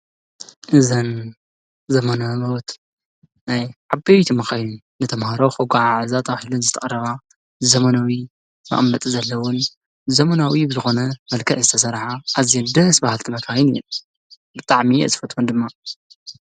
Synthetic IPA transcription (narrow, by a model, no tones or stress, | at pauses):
ʔɨzɐn | zɐmɐnamɐwt̪ | najʕabejt̪ʰimɐxajunːɨt̪ʰɐmhaɾoxoɡʷaʕaʕɨzat̪ʰʼaβħilɨnzɨt̪ʰɐχʼɐrɐβa | zɐmɐnawi | mɐ̰ʔʼmnɐt̪ʼzɐlːɐwʊn | zɐmɐnawibɨzɨxo̞nɐmɐlkʰɐʔzɨt̪ʰɐs̬ɐɾħaʔːzjɐnd̪ɐsbahalt̪ʰɨmɐkʰajɪnjɛ | bɨt̪ʼaʕmiʔɨsɨ̥fɐt̪ʰʼund̪ɨmːa